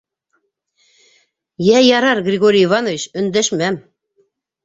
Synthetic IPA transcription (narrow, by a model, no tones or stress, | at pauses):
jæjɑɾɑrɡrʲɪɡoɾʲiivɑnovʲiɕɵ̆nd̪æʃmæm